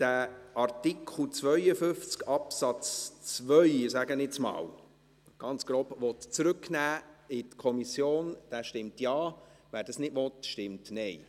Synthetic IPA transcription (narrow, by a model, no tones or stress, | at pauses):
d̥æɑrtikʰl̩t͡sʋœʏəfʏft͡skɑpsɑt͡st͡svœʏɪsæɡənɪt͡smɑ̰ːl | ɡ̥ɑnt͡sɡ̥ɾoːbʋɔt̪t͡sɾʉknæːɪtkʰɔmisjoːnd̥æːʃtɪmtjɑːʋæːɾd̥ɑsnɪdʋɔtʃtɪmtnɛj